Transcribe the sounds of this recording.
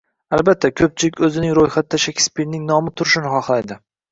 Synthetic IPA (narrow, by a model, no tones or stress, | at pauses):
albat̪ʰːakʲʰɵp̚t͡ʃʰɪlɪkʲɵzɪnɪŋɾojχat̪ːaʃakʲʰɪ̥spilnɪŋnɒmɪt̪ʰʊɾɪʃɪnɪχɒχlajd̪ɪ